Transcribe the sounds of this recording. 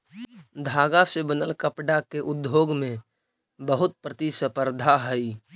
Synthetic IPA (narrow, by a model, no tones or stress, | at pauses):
d̪ʱaːɡasebənəlkəpɖakeʔʊd̪joːɡmẽ | bəɦʊt̪̚pɾət̪isəpəɾd̪ʱaɦɛi